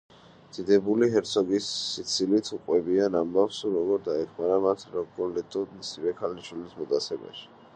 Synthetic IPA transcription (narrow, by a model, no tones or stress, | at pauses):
d̪̥id̪ɛbuliɦɛɾt̪sʰɔɡisːit̪sʰilit̪ʰuqʼwɛbianambafsuɾɔɡɔɾd̪aɛkʰmaɾamat̪ʰɾɔɡɔlɛt̪ʼudmisivɛkʰaliʃwilismɔt̪ʼat̪sʰɛba̰ʃi̥